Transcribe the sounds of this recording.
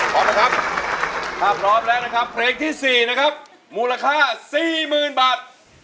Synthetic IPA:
k̪ʰɔː˨˦mla˦˥kʰa˦˥p̚ | kʰaː˥˩pʰɾɔː˦˥m̚lɛː˦˥wna˦˥kʰa˦˥pʰleː˧ŋt̪ʰiː˥˩siː˨˩na˦˥kʰa˦˥p̚ | muː˨˧la˧kʰaː˥˩siː˨˩mɯː˨˩nbaː˨˩t̪̚

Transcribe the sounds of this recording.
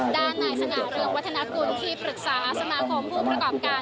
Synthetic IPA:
daː˥˩nːaː˧jsa˧ŋaː˩˦mɾɯ˧əŋwa˦˥t̪ʰːa˧na˧˥ku˧nt̪ʰiː˥˩pʰɾɯ˨˩k̚saː˩˦ʔa˧˥sa˧maː˧kʰo˧mpʰuː˥˩pɾa˧kɔː˨˩p̚kaː˧

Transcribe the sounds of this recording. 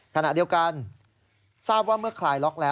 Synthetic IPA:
kʰa˧na˨˩ʔdi˧wka˧n | saː˥˩p̚waː˥˩mɯ˥˩ɐkʰlaː˧˩jlɔ˦˥k̚lɛː˦˥

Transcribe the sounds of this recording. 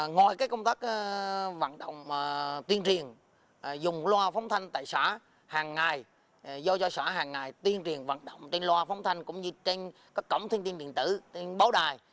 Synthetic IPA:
ŋɔ̰˨˩jkaː˨˦jkə˧wŋ͡mt̪aː˦˥k̚ːva̰ː˧˨nɗə̰˧˨wŋ͡mt̪wi˧ənt͡ɕi˨˩ən˨˩ | zʊ˨˩ŋ͡mllwaː˧fa˨˦wŋ͡mt̪ʰa˧jŋ̟t̪a̰ː˧˨jsaː˧˥ | haː˨˩ŋːa˨˩j | zɔ˧t͡ɕɔ˧saː˧˩ɦaː˨˩ŋːa˨˩jt̪wi˧ənt͡ɕi˨˩ənva̰˧˨nɗə̰˧˨wŋ͡mt͡ɕe˧nlwaː˧fɔ˨˦wŋ͡mt̪ʰa˧jŋ̟kʊ̰˧˥ŋ͡mɲɨ˧t͡ɕe˧nkaː˦˥kːə̰˧˩wŋ͡mt̪ʰi˧nt̪i˧nɓḭ˧˨ənt̪ɨ̰˧˩t͡ɕe˧nɓaː˨˦wɗaː˨˩j

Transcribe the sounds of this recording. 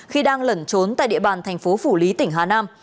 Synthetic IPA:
xi˧ɗaː˧ŋlə˨˧˩nt͡ɕo˨˦nt̪a̰ː˧˨jɗḭ˧˨əɓaː˨˩nt̪ʰɛ˨˩ŋ̟fo˨˦fu˧˩li˨˦t̪ï˧˩ŋ̟ɦaː˨˩naː˧m

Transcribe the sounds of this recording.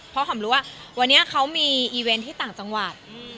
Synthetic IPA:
pʰɔ˧˦˥kʰa˩˦mɾuː˦˥waː˥˩wa˧nːi˦˥ɐkʰa˦˥wmiː˧ʔiː˧we˧nt̪ʰiː˥˩t̪aː˨˩ŋt͡ɕa˧ŋwa˨˩t̪̚

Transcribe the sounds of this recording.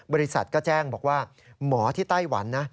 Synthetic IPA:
bɔː˧ɾi˦˥sa˨˩t̪̚kɔː˥˩t͡ɕɛː˥˩ŋbɔː˨˩k̚waː˥˩ | mɔː˩˦t̪ʰiː˥˩t̪a˥˩jwa̰˩˦nːa˦˥

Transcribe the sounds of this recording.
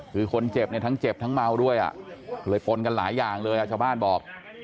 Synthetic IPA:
kʰɯː˧kʰo˧nt͡ɕe˨˩p̚ni˧˩t̪ʰa˦˥ŋt͡ɕe˨˩p̚t̪ʰa˦˥ŋma˧wdu˥˩əjʔa̰˨˩ʔlɤː˧jpo˧nka˧nlaː˩˦jːaː˨˩ŋlɤː˧jʔa˨˩t͡ɕʰa˧wbaː˥˩nbɔː˨˩p̚

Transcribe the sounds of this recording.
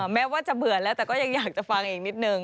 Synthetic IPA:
mɛː˦˥waː˥˩t͡ɕa˨˩bɯ˨˩ɐlɛː˦˥wt̪ɛː˨˩kɔː˥˩ja˧ŋjaː˨˩k̚t͡ɕa˨˩fa˧ŋʔiː˨˩k̚ni˦˥t̪̚nɯ˨˧ŋ

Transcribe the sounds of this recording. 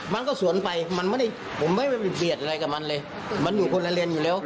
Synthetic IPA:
ma˧nkɔː˥˩su˨˦ənpa˧jma˧nma˥˨da˥˩j | pʰo˨˦mːa˥˩jma˧˩pa˧˩bi˨˩ət̪̚ʔa˧ɾa˧jka˧˩ma˧˥nlɤː˧j | ma˧˥njuː˨˩kʰo˧nla˧˥li˧ənjuː˨lɛː˦˥˩w

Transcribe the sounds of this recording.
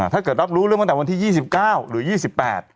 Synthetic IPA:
t̪ʰaː˥˩kɤː˨˩t̪̚ɾa˦˥p̚ɾuː˦˥ɾɯ˥˩ŋm˥˩t̪ːwa˧nt̪ʰiː˥˩jiː˥˩si˨˩p̚kaː˥˩wɾɯ˩˦jiː˥˩si˨˩pːɛ̰ː˨˩t̪̚

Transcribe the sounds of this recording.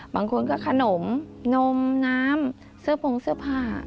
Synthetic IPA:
baː˧˩ŋkʰo˧nkɔː˥˩kʰa˧no˩˦mno˧mnaː˦˥m | sɯ˥˩əpʰo˧ŋsɯ˥˩əpʰaː˧˥˩

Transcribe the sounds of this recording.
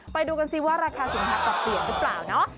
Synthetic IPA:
pa˧jduː˧ka˧nsi˦˥waː˥˩ɾaː˧kʰaː˧si˨˩˦ɦʰaː˧˩t̪ɔː˨˩p̚pli˨˩ənɾɯ˦˥pla̰ː˨˩wnɔ˦˥ʔ

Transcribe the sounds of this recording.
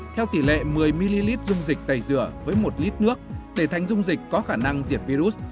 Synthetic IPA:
t̪ʰɛ˧wt̪i˧˩lɛ̰˧˨mɨ˨˩əjmi˧li˧li˦˥t̚zʊ˧ŋ͡mzï˨˩k̟̚ɗ̪a˨˩jzɨ˧˩əvəː˨˦jmo˨˩t̚li˦˥t̚nɨ˦˥ək̚ɗe˧˩t̪ʰa˨˦jŋ̟zʊ˧ŋ͡mzï˨˩k̟̚ʲkɔ˨˦xaː˧˩na˧ŋzi˨˩əp̚vi˧zu˦˥s̚

